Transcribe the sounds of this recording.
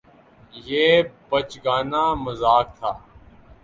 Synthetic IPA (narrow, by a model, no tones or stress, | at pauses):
jeːbət͡ʃɡaːnaːməzaːk̚t̪ʰaː